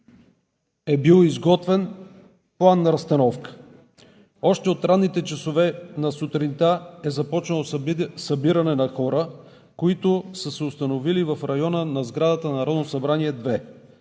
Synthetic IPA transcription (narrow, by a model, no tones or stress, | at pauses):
ɛbilˠizɡɔt̪vɛn | plˠanːɐɾɐst̪ɐnɔfkə̥ | ɔʃt̪ɛot̪ɾanːit̪ɛt͡ʃɐsovɛnɐsot̪ɾint̪aɛzɐpɔt͡ʃnəlˠosɐbiɾɐnɛnɐxɔɾə | koit̪ʊsəsɛʊst̪ɐnovilivɐfɾɐjɔnənɐzɡɾad̪ət̪ənɐɾɔd̪nosɐbɾaniɛd̪vɛ